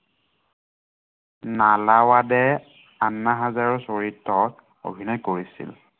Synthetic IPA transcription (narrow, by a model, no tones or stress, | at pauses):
nalawadɛ | anːaɦazaɹɔsoɹitːɔt | o̰bʱinɔjkoɹisḭl